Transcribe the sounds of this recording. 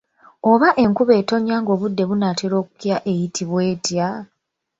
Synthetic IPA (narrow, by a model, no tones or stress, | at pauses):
o̞βaʔe̞ŋkuβe̞ːto̞ɲaːŋɡo̞ːβudːe̞βunateɾo̞ːku̥kjaʔe̞jitʰiβwe̞ːtja